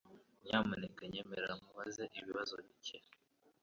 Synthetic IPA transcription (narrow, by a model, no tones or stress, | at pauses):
ɲaːmunekaɲemeɾamuβazeʔiβiβazoβice